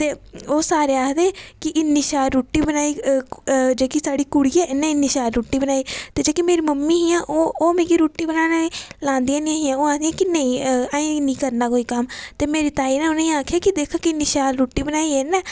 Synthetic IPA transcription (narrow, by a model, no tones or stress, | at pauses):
t̪eːoːsaːɾeːaːɦd̪eːkɪʔɪnːiːʃaːɾɾuːʈːiːbənaːiː | d͡ʒeːkisaːɽiːkʊɽiːɛːɪnːẽːɪnːiːʃaːɾɾuːʈːiːbənaːiːt̪eːd͡ʒeːkimeːɾiːməmːiːɦijãːʔoːoːmeːɡiɾuːʈːiːbənaːneːlãːnd̪ijãːnĩãɦijãːoːãːd̪ijãːkɪnə̃ĩːaĩːnĩːkəɾnaːkoːiːkəmt̪eːmeːɾiːt̪aːiːnɛːʊnːj̃aːkʰjaːkɪd̪eːkʰaːkɪɪnːiːʃaːɾɾuːʈiːbənaːiːɛːnɛ̃ː